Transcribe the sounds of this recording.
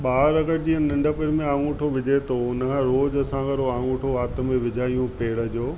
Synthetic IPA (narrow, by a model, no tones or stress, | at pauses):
ɓaːɾɐɡəɾd͡ʑiːə̃nɪ̃ɳɖʱəpɪɾmẽãːŋũːʈʰoʋɪd͡ʑʱet̪oʊnəkʰãɾoːd͡ʑɐsãːɡəɾoaːŋũːʈʰoaːt̪ə̆mẽʋɪd͡ʑʱaːijũpeːɽə̆d͡ʑoː